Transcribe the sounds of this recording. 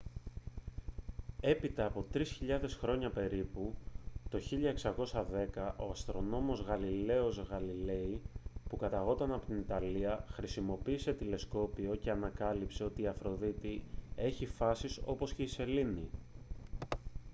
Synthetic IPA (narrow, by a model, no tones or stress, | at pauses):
e̞pit̪ɐːpo̞t̪ɾisçiʎɐðe̞sxɾo̞ɲɐpe̞ɾiput̪o̞çiʎɐeksɐko̞sɐðe̞kɐʔo̞ɐst̪ɾo̞no̞mo̞zɣɐlile̞o̞zɣɐlile̞ipukɐt̪ɐɣo̞t̪ɐnɐpot̪init̪ɐliɐxɾisimo̞piːse̞t̪ile̞sko̞pio̞ce̞ɐnɐkɐlipse̞o̞t̪iːɐfɾo̞ðit̪ie̞çifɐsiso̞po̞sce̞ise̞lini